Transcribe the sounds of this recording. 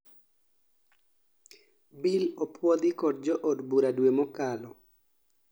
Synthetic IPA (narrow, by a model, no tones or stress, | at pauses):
bilɔpʰwɔd̪ɪkɔd̚d͡ʒɔʔɔdbuɾadwemɔkalɔ